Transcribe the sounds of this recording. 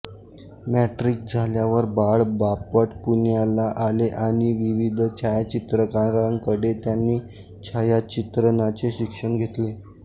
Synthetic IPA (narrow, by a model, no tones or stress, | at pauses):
mæʈɾik̚d͡zʱaljaʋəɾbaɭbapəʈpunjalaʔaleʔaɽ̃iʋiʋid̪ʱt͡ɕʰajat͡ɕit̪ɾəkaɾaŋkəɽet̪janːiː | t͡ɕʰajat͡ɕit̪ɾənat͡seɕikʂəɳɡʱet̪le